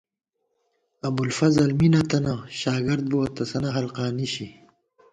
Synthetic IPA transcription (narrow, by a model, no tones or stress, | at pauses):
ɐbulfɐzɐlminɐt̪ɐnɐɕaːɡɐɾd̪̚boɐt̪ɐsɐnɐɦɐlqaːniɕi